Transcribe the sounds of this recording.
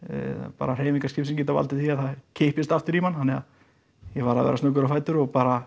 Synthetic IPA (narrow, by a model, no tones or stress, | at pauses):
pa̰ːɾar̥eːjmiŋkascɪpsimcɪt̪ava̰lt̪ɪθiaðθaðcʰejhpɪst̪aft̪ɪɾimanhanːɛað | jɛvaɾaðvɛ̰ːɾasnœk̬ʏɾafajt̪ʏɾɔɣpaːɾa